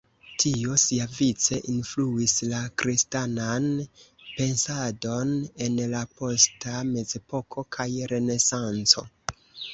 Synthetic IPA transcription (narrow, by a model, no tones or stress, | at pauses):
tʰio̞siavit͡se̞ʔinfluislakɾistananpe̞nsado̞ne̞nlapo̞stame̞ze̞po̞kʰo̞kʰajɾe̞ne̞sant͡so̞̰